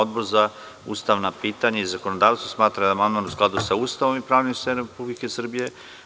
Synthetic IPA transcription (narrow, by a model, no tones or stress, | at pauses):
od̪̚boɾza | ṵst̪aʋnapiːt̪aɲaizakonod̪aːʋst̪vosmaːt̪ɾad̪aːmand̪manusklˠad̪usauːst̪aʋo̞mipɾaːʋnimst̪enoɾepublike̞sr̩bije̞